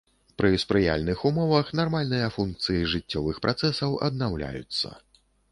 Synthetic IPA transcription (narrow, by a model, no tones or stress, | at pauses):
pɾɨspɾɨja̰lʲnɨxumɔvɐxnarmalʲnɨjɐfunk̚t̪sɨjiʐɨt͡sʲːɔvɨxpɾʔat̪sɛsɐwɐ̰d̪̚nawlʲa̰jṵt̪sːɐ̰